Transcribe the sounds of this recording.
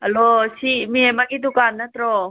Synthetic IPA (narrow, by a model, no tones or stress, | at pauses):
ɦəlosimiemaɡid̪ukanːat̪ɾɔ